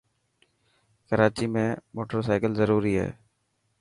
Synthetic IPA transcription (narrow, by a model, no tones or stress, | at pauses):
kəɾaːt͡ʃimẽːmoːʈəɾsaːɪkəlzəɾuːɾiɦɛ̰ː